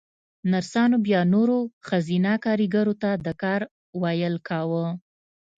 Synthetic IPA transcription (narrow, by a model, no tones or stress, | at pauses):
naɾsɑnobjɑnoɾoxazinakɑɾiɡaɾot̪ad̪əkɑɾ | wɑjəlkawə